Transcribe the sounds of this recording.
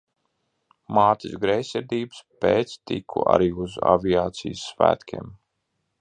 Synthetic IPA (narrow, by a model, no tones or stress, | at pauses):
maːt̪isɡɾɛjsʲɛɾd̪iːbɨ̥speːt̪st̪ikʰṵʔa̰ɾiːuza̰viaːt̪sijsːvæ̰ːt̪kʲḛːm